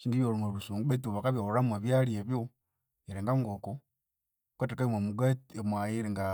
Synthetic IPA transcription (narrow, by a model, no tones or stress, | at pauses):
ʃiŋɡijoɾumeβusuːŋɡuetuβakaβjooɾamweβjaɾieβjo | eɾeŋɡaŋɡoko | kwetekamwemuɡatemwajiɾiŋɡa